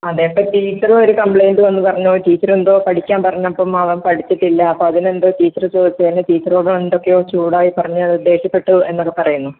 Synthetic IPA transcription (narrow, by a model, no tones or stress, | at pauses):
ɐðeːpːɐtiːt͡ɕːɐroɾukɐmpɭejnɖɨʋɐnːɨpɐrɐɲːoːʈiːt͡ɕːɐrend̪o̞ːpɐʈʰikʲːaːmpɐrɐɲːamɐpːoːmɐʋɐmpɐʈʰit͡ɕːiʈːilːɐɐpːoːɐðinend̪o̞ːtiːt͡ɕːɐrɨt͡ɕoːd̪it͡ɕːɐðinːɨt̪iːt̪ːɐroːɽɐend̪o̞kːejoːt͡ɕuːɽaːjipɐrɐɲːaːɭud̪ːe̞ːɕjɐpːe̞ʈːuɨe̞nːo̞kːepɐrɐjunːu